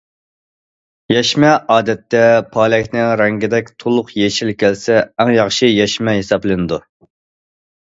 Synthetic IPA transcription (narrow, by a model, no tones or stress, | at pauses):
jɛʃmɛʔɑːd̪ɛt̪ːɛpʰɑːlɛkʲnɪŋɾɛŋɡʲid̪ɛk̚ʲt̪ʰolˠʊqjeʃilkʲʰɛlsɛːŋjɑχʃɨjɛʃmɛɦesɑblˠɨnɨd̪u